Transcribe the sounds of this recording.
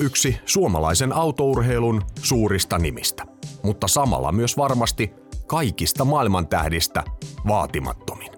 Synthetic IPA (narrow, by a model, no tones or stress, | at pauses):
yksisuomɑ̰lɑ̰isenɑuwt̪ourɦejlunsuːɾist̪ɑnimḭst̪æ̥mut̪ːɑsɑmɑ̰lːɑ̰myøsʋɑrmɑst̪i | kɑikist̪ɑmɑilmɑnt̪æ̰hdist̪æ̰ʋɑːt̪imɑ̰t̪ːomi̥n